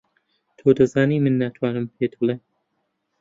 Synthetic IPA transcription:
t̪ʰoːd̪ɐzaːniːmɨnːat̪ʰwaːnɨmpʰeːt̪ʰule

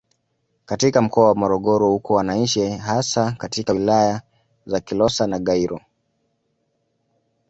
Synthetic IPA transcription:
katikam̩kɔawamɔɾɔɠɔɾɔhukɔwanaiʃɛhasakatikawilaja | zakilɔsanaɠaiɾɔ

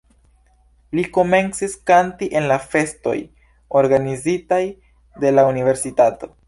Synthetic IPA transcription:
liko̞me̞nt͡siskantiʔe̞nlafe̞sto̞̰j | o̞ɾɡanizitaj | de̞launive̞ɾsitato̞

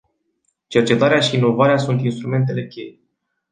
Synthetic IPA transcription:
t͡ʃe̞rt͡ʃe̞t̪aɾeaʃiːno̞vaɾeasunt̪inst̪ɾume̞nt̪̬e̞le̞kʲe̞je

